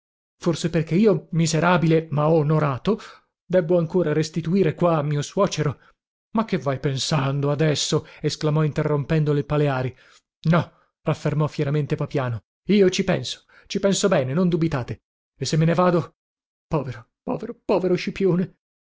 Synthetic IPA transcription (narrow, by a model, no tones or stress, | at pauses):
forseperkeiːomizeɾaːbilemaɔonoɾaːt̪o | d̪ɛbːoaŋkoːɾaɾest̪it̪uiːɾekwaːmːiːoswɔːt͡ʃeɾo | makːevːajpensand̪oad̪ɛsːoesklamɔint̪erːompɛnd̪oleilpaleaːɾi | nɔ | rafːermɔfjɛɾament̪epapjaːno | iːot͡ʃipɛnso̥ | t͡ʃipɛnsobɛːnenond̪ubit̪aːt̪e | esːemːenevaːd̪o | pɔːveɾo | pɔ̰ːveɾopɔːveɾoʃipjoːne